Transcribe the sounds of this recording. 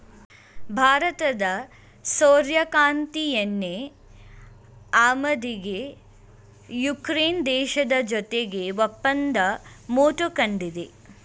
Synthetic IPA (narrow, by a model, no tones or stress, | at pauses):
bʱaːɾɐt̪ɐd̪ɐ | soːɾjɐkaːnt̪ijɐnːe | aːmɐd̪iɡe | jukɾeːnd̪ɛːʃɐd̪ɐd͡ʒɔt̪eɡeʋɐpːɐnd̪ɐmoːʈukɐɳɖid̪e